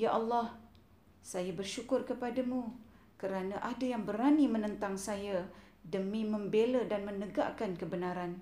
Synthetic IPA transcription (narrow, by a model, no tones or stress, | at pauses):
jaʔɑlːɑh | sajabərʃukʊrkəpadamũ | kəɾanaʔadajaŋbəɾanimə̃nə̃nt̪aŋsaja | dəmĩmə̃mbelədanmə̃nəɡa̰kankəbənaɾan